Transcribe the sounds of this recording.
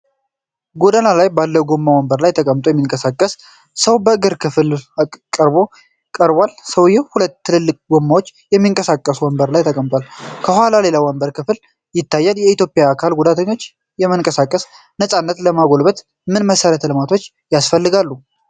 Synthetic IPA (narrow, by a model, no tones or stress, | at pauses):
ɡo̞d̪analajbalːəɡo̞mːawɔmbəɾlajt̪ʰəkʼəmt̪ʼo̞jɛmːiŋkʼəsakʼːəsː | əwbəɨɡɨɾkʰɨfɨlkʼəɾbo̞ | kʼəɾbwalsəwjːɛhulət̪ːʰɨlɨlːɨk̚ʼɡomːawot͡ʃːjɛmːiŋkʼəsakʼːəswɔmbəɾlajt̪ʰəkʼəmt̪ʼwalkʰəhhalale̞lawɔmbəɾkʰɨfɨl | jɪt̪ːajːanjɛit̪jopʼjaːkʰalɡud̪at̪ʰəɲːo̞t͡ʃː | jɛməŋkʼəsakʼːəs | nəsʼanːət̪ləmaɡo̞lbət̪ | mɨnməsaɾət̪ʰlɨmat̪ʰo̞t͡ʃː | jasfəlːɨɡalːu